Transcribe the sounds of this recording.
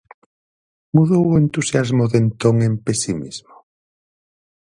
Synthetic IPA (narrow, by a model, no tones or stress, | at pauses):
muðowoent̪usjazmoðent̪oŋẽmpesimḭzmo